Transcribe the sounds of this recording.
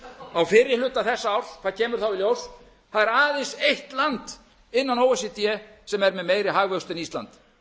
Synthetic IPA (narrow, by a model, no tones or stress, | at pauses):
awfɪɾɪ̥lʏːt̪aθɛsːaawɾ̥kʰaðcʰɛːmʏɾ̥θawɪljows | θaðɛɾaːðejnsejht̪lant̪ | ɪnːanowɛs̬ɪt̪ijɛsɛmɛɾmɛðmejɾɪɦaːɣvœkst̪ɛnist̪la̰nt̪